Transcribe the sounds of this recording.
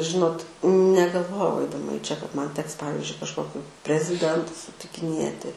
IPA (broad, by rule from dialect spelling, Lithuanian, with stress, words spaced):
ˈʒʲɪnoːt nʲɛɡɐlˠˈʋoːjɛʊ ɐɪdɐˈmɐ iː t͡ʃʲɛ kɐt ˈmɐn ˈtʲɛks ˈpɑːʋʲɪzʲd͡ʒʲʊɪ kɐʃˈkoːkʲʊ pʲrʲɛzʲɪˈdʲɛntʊs sʊtʲɪkʲɪˈnʲeːtʲɪ